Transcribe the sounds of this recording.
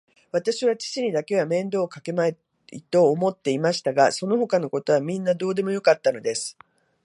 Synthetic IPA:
β̞at̪aɕiβat͡ɕi̥t͡ɕiɲ̟id̪ake̞βamẽ̞nd̪o̞ːkake̞mae | ḭt̪o̞ːmo̞t̪ːe̞imaɕi̥t̪aɡaso̞no̞ɦo̞kano̞ko̞t̪o̞βamʲĩnːad̪o̞ːd̪e̞mo̞jo̞kat̪ːano̞d̪e̞sɨ̥

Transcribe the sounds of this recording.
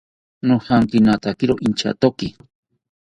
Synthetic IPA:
nohaŋkinat̪akiɾoʔint͡ʃa̰t̪oki

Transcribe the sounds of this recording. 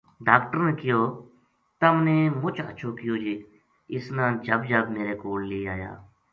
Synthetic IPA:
ɖaːkʈəɾneːkɪjoː | t̪əmneːmʊt͡ʃʰə̰ʃʰoːkɪjoːd͡ʒeː | ɪsnãːnd͡ʒəbd͡ʒəbmeːɾeːkoːlleːaːja̰ː

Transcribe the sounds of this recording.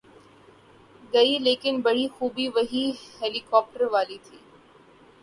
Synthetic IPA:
ɡɐileːkɪnbɐɽ̤ixuːbiʋɐɦihɛːlɪkɔːp̚ʈəɾʋaːlit̪ʰiː

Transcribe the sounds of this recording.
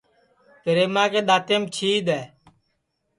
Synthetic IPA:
pəɾeːmãːkeːɗ̪aːt̪eːmt͡ʃʰiːɗ̪ɛː

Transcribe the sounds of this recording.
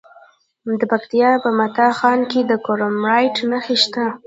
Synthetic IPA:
d̪əpakt̪ijɑpəmat̪ɑxɑnked̪əkoɾomɾɑjʈnaxeʃt̪a

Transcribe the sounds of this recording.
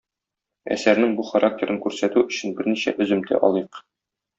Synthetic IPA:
æ̰sæɾnɘŋbuχɐɾak̚tʲeɾʔɤŋkʉɾsæt̪ʉɵ̆ɕɘ̆nbɘɾniɕæ̰ʔɵ̆zɵ̆mt̪ʰæ̰ʔɒlˠiq

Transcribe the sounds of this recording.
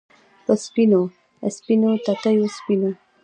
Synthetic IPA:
pəspino | əspinot̪at̪ajospino

